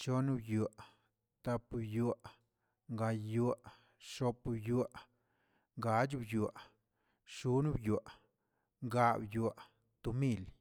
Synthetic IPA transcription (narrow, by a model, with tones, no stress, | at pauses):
t͡ʃo˦nu˦bju˨aʔ | t̪a˧pbju˨aʔ | ŋɡa˧jju˧a | ʂo˧pbju˧aʔ | ŋɡa˨˦d͡ʒbju˨ | ʂu˨˦nu˦bju˨aʔ | ŋɡa˧bju˨a˨ | t̪u˧mi˦˧l